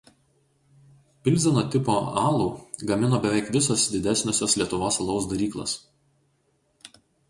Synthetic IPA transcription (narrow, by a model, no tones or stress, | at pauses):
pʲɪlʲˑzʲɛnoːt̪ʲɪpoːɑːlˠuːɡɐmʲɪnoːbʲɛʋʲɛˑɪkʋʲɪsoːsd̪ʲɪd̪ʲæsʲnʲoːsʲoːslʲiɛt̪ʊʋoːsɐlˠɒʊsd̪ɐɾʲiːklˠo̰ːs